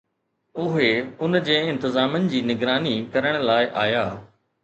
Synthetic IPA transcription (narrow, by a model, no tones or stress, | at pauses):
ʊɦeʊnd͡ʑeːɪ̃nt̪ɪzaːmənɪ̆d͡ʑiːnɪɡɾaːnikɐɾəɽ̃əlaːɪʔaːjaː